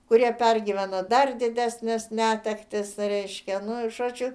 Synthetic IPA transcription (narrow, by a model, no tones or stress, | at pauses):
kʊɾʲiɛpʲɛrʲɡʲiːʋʲænod̪ɐrd̪ʲɪd̪ʲæːsʲnʲɪsʲnʲæːt̪ʲɛkt̪ʲɪsrʲɛɪʃʲkʲɛnʊʒoːt͡ʃʲʊ